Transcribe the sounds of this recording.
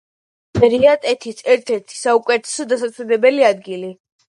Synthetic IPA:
mɛɾiat̪ʼɛt̪ʰisɛɾt̪ʰɛɾt̪ʰi̥saukʼwɛt̪ʰɛ̥sɔd̪asat̪sʰɛlɛbɛliad̪ɡili

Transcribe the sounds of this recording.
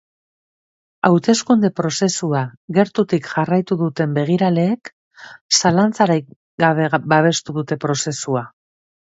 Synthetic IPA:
awt̪e̞skund̪e̞pɾo̞se̞suaɣe̞ɾt̪ut̪ikʝarajt̪uðut̪e̞mbe̞ɣ̞iɾale̞ːk | salant͡saɾaj | ɡaβebaβ̞e̞st̪uðut̪e̞pɾo̞se̞sua

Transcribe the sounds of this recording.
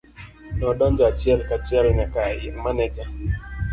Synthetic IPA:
nɔdɔnd͡ʒɔat͡ʃjɛlkat͡ʃjɛlnakajɪ̰ŋmanɛd͡ʒa

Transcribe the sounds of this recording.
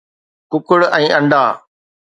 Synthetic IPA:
kʊkʊɽɛ̃ːʔɐ̃ɳɖaː

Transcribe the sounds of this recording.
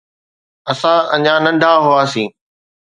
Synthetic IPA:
ɐsãʔɐ̃ɲãnɐ̃ɳɖʱaɦʊaːsĩː

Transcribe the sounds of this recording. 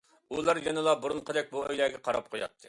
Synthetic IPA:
ulˠɑɾjenɨlˠɑbuɾunqʰəd̪ɛk̚ʲbuø̰jlɛːɡʲɛqʰɑɾɑ̰p̚qʰojɑ̰t̪ʰːɨ

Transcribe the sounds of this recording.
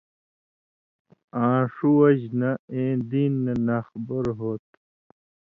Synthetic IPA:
ãːʂuɐʑnaẽːd̪iːnːɐnaːxbəɾɦoːt̪

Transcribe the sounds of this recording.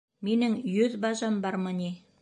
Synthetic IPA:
menɘŋjɵðbɑʒɑmbɑɾmɤni

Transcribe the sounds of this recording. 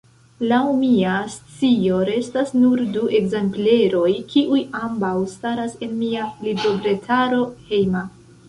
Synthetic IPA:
lawmiast͡sio̞ɾe̞stasnuɾduʔe̞ɡzemple̞ɾo̞jkʰiʔujambawstaɾase̞nmialibɾobɾe̞tʰaɾo̞he̞jma

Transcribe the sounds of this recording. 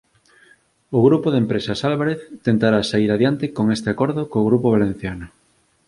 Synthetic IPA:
ʊɣɾupoðempɾesasalβaɾeθt̪ent̪aɾasaiɾaðjant̪ekoŋest̪eakoɾðokoːɣɾupoβ̞alẽn̟θjanʊ

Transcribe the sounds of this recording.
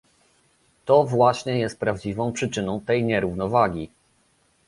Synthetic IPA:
t̪ɔvwaɕɲɛjɛst̪̚pɾavd͡ʑivɔ̃w̃pʂɘt͡ʂɘnɔ̃w̃t̪ɛjɲɛɾuvnɔvaɡʲi

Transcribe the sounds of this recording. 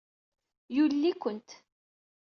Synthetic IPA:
julːikʷənt̪

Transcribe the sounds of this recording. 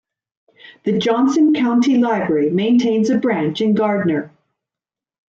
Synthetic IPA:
ðɨd͡ʒɑ̃nsɨ̃nkʰãʊ̃ntʰilaɪbɹɛɹimẽɪ̃ntʰẽɪ̃nzɨbɹæ̃nt͡ʃɨ̃nɡɑɹdⁿn̩ə˞

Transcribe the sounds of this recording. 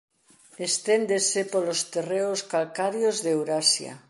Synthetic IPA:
est̪end̪esepolost̪ereoskalkaɾjozðewɾasja̰

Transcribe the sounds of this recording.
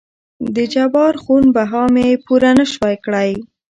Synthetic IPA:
d̪əd͡ʒabɑɾxunbaɦɑmepuɾanəʃwajkɽaj

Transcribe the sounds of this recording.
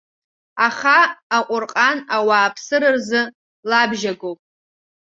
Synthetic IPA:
aχaːqʷʼʊrqʼanawaːpʰsɨɾɨrzɨ | labʒaɡopʼ

